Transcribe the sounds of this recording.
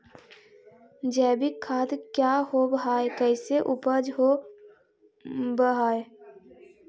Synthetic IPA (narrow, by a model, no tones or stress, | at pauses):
d͡ʒɛːbikʰaːt̪kjaɦobəɦaːekɛɪseʔʊpəd͡ʒɦo | bəɦaːe